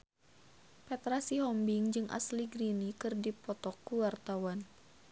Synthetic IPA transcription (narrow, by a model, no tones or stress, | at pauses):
pɛt̪ɾasiɦɔmbiŋd͡ʒɨŋʔa̰sliɡɾinikɨrdipɔt̪ɔkːuwart̪awan